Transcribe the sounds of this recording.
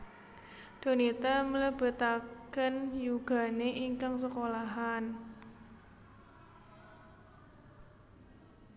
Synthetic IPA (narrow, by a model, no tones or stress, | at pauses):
d̪̥o̤nit̪amələb̥ə̤t̪akənjuɡ̥a̤neʔiŋkaŋsəkolaɦan